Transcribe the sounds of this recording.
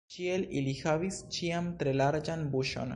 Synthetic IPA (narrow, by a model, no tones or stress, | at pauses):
t͡ʃielḭlixaβist͡ʃiamt̪ɾelaɾd͡ʒanbuʃo̰n